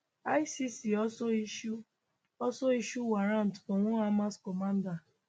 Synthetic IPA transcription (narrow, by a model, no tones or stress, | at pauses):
aisisiɔsoiʃu | ɔsoiʃuwaɾãn̩tfɔ̃w̃ɔ̃amãskɔmãnda